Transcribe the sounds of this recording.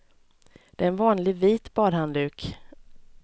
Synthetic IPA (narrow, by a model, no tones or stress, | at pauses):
d̪̥ɛɛnvɑːnlɪɡviːt̪bɑːd̪hand̪ʉːk